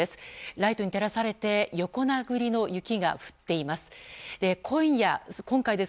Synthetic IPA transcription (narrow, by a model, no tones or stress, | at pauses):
esɨ̥ɾait̪o̞ɲ̟it̪e̞ɾasaɾe̞t̪e̞jo̞ko̞naɡɯ̟ɾʲino̞jɯ̟kʲiɡa̰ɸɯ̟̥t̪ːe̞imasɨ̥d̪̥e̞kʰo̞ĩɰjakõ̞ŋkaid̪e